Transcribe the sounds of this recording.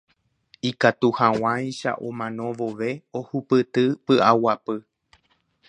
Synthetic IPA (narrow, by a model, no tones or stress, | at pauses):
ikat̪uhaw̃ãjʃa̰ʔomãnõ̞ʋo̞ʋe̞ohupɨt̪ɨpɨʔawapɨ